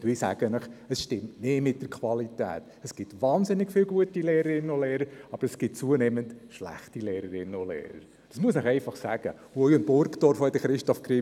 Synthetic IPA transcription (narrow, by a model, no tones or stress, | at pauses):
ʋɪːsæ̰ɡ̥ənəχəsʃtɪmtnɪmɪt̚d̥əɾkʰʋɑlitæ̰ːt̪ | əsɡ̥ɪtʋɑːnzɪnːɪɡ̥fɪːlɡuətileːɾəɾɪnːənoleːɾəɾɑbəɾəsɡ̥ɪt̚t͡suəneːməntʃlæ̰χtileːɾəɾɪnːənolḛːɾə̰ɾ | d̥ɑsmuəsnəχɛɪfɑχsæɡ̥ə̰ | uɔjʊnb̥ʊɾktɔɾfoɛdəχɾɪʃtɔfkri